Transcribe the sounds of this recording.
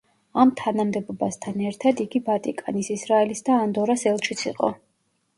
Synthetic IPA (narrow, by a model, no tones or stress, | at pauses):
amt̪ʰanamd̪ɛbɔbast̪ʰanɛɾt̪ʰad̪iɡivat̪ʼikʼa̰nisisɾaɛlisd̪aːnd̪ɔɾasɛlˠt͡ʃʰit̪sʰiqʼɔ̰